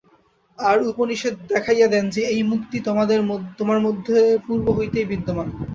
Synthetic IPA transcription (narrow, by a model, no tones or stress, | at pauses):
aɾuponiʃed̪̚d̪ɛkʰajad̪ɛnd͡ʑeejmukt̪it̪omad̪eɾt̪omaɾmod̪ʱːepuɾboɦojt̪ejbid̪ʱːoman